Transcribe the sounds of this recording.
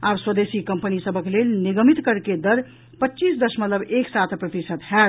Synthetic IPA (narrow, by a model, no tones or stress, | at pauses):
abswəd̪esikəmpənisəbəklelniɡəmit̪kəɾked̪əɾ | pətːt͡ʃisd̪əsmət̪ləbeksat̪ʰpɾət̪isət̪ɦɛ